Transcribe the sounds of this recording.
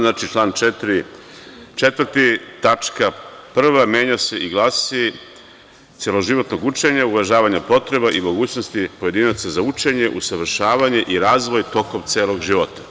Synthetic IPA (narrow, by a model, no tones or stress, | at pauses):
nat͡ʃit͡ʃlˠaːnt͡ʃet̪ɾi | t͡ʃet̪ʋɾ̩t̪it̪at͡ʃkapr̩ʋamʲje̞ːɲase̞ʔiɡlˠaːsi | t̪sjelo̞ʒiʋo̞t̪no̞ɡut͡ʃe̞ɲauʋaʒaːʋaɲapo̞t̪ɾe̞baʔimo̞ɡuːt͡ɕno̞st̪ipoje̞d̪inat̪sazaut͡ʃe̞ɲe̞ʔusaʋr̩ʃaːʋaɲe̞ʔiɾaːzʋo̞jt̪o̞ko̞mt̪sʲjeːlˠo̞ɡʒiʋo̞t̪ḁ